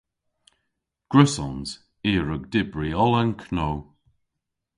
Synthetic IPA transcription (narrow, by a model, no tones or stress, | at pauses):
ɡ̥ɹɪsɔnz̥ | iːɹəɡ̚dɪbɹiɔlənkʰnow